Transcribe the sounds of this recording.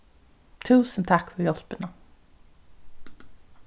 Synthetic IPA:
t̪ʰʉːsənt̪ʰakːfœɾjɔspəna

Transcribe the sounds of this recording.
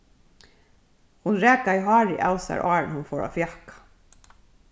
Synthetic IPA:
hʊnɾɛːkaiɦɑːɹɪʔa̰lsa̰ɹʔɑːɹnhʊnfɔːɹa̰fjahkḁ

